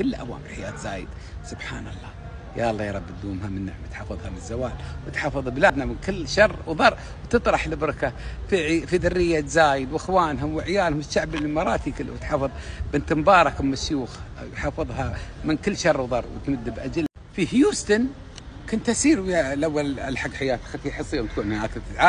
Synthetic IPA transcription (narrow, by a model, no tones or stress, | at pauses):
kɪlːʔa̰wa̰ːmɪlħajaːt̪zaːjɪ̰d̪ | sʊbħa̰ːnɑ̰lˤːɑː | ja̰ʔɑlːɑːjɑɾˤɑbːd̪uːmhamɪnːa̰ʕmt̪ħɑfɨðˤhamɪnzːawaːlwɪt̪ħɑfɨðˤblaːd̪namɪnkɪlːʃɑrˤːwðˤɑrˤ | wt̪ɨt̪ˤɾˤɑħlɪbɾɪkafiʕfiðʊrːɪjːat̪zaːjɪd̪wɪxwaːnɦʊmwɪʕjaːlhʊmʃaʕbɪlmɑɾˤɑːt̪ikɪl̰ːwt̪ħɑfɨðˤbɪnt̪mbɑːɾˤɑkwmaʃjuːx | jħɑːfɨðˤɦamɪnkɪlːʃɑrˤːwðˤɑrˤːwɪ̰t̪mʊd̪ːbʔad͡ʒl | fihjuːst̪an | kʊnt̪hasiːɾwalʔawːalalħaɡːħajaːt̪xat̪iħɨsˤːiːʊmt̪kuːnmanʔaːkɪlt̪ɪt̪ʕaː